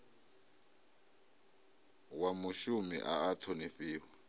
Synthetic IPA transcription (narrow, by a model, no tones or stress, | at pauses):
wamuʃumḭʔaːtʰɔnifiːwa